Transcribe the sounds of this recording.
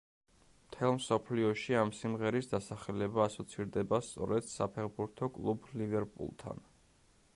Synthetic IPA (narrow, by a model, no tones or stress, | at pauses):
mt̪ʰɛlˠmsɔpʰliɔʃiamsimʁɛɾisd̪asaχɛlɛbaːsɔt̪sʰiɾd̪ɛbast̪sʼɔ̰ɾɛd̪̥sapʰɛɾbuɾt̪ʰɔkʼlˠublivɛɾpʼṵlˠt̪ʰa̰n